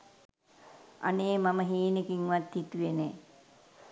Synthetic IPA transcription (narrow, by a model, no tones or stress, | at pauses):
a̰neːmaməɦiːnekiŋʋat̪hit̪uʋene